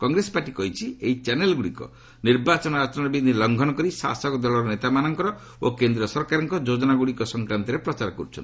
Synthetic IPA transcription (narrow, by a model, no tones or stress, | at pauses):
kɔŋɡɾesɔ̥paʈikɔɦit͡ʃʰiejt͡ʃɛnelɡuɽikɔ̰ | niɾbat͡ʃɔnɔat͡ʃɔnɔɾɔbid̪ʱilɔŋɡʱɔnɔkɔɾisa̰sɔkd̪ɔlɔɾɔnet̪amanɔŋkɔɾɔ | okend̪ɾiɔsɔɾkaɾɔŋkɔd͡ʒod͡ʒɔnaɡuɽikɔsɔŋkɾant̪iɾepɾɔt͡ʃaɾɔkɔɾut͡ʃʰɔ̰nt̪i